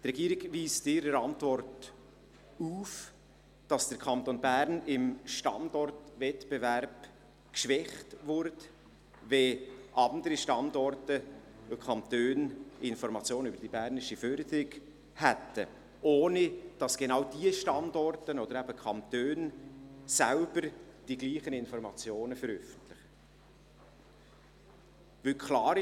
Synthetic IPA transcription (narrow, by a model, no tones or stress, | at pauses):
t̪rɛɡiːɾɪɡviːstɪɾəɾɑntvɔɾt | uːf | d̥ɑsd̥əkʰɑnt̪onbæɾnɪmʃtɑ̰ndɔrtvɛtbevæɾb̥ | kʃʋɛχtvʊɾt | veʔɑndəɾiʃtɑndɔɾtəʊkʰχɑnt̪øːnɪnfɔɾmɑt͡sjoːnybəɾd̥ibæɾnɪʃiføɾd̪əɾɪɡ̥ | hæt̪ə̰ | ʔoːnid̥ɑsɡ̥enɑwdiəʃtɑndɔrtənɔd̥̪əɾæb̥əkʰɑnt̪øːnsælbəɾd̥iɡliːχənɪnfɔɾmɑt͡sjoːnəfəɾœfən̩tlɪχ | vʏkχlɑːɾ